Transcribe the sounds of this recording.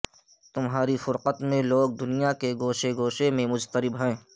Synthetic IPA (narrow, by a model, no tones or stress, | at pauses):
t̪ʊmɦaːɾifʊɾqət̪mẽloːɡ̚d̪ʊnijakeɡoːʃeɡoːʃemẽmʊd͡ʒt̪əɾɪbɦɛ̃ː